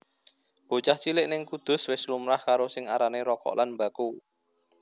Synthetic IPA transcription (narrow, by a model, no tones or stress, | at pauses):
b̥o̤t͡ʃaht͡ʃilɪʔnɪŋkud̪̥ʊ̤swɪslumɾahkaɾosɪŋaɾaneɾɔkɔ̰ʔlʔanmbaku